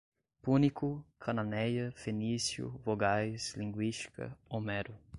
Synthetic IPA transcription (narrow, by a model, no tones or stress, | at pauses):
punikukʰananɛjɐfenisjṵvoɡajslĩŋɡwiʃti̥kɐ̰omɛɾu